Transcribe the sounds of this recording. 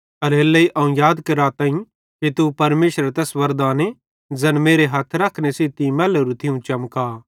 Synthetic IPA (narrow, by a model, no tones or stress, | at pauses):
ɐɾelːɐiʔɐũjaːd̪kɐɾat̪ãːĩ | kit̪upɐɾmeːʃɾəɾt̪ɛsʋɐɾd̪aːne | d͡zɛnmeːɾeɦaːt̪ʰɾɐkʰnesit̪imɛːleɾut̪ʰɪũt͡ʃɐmkaː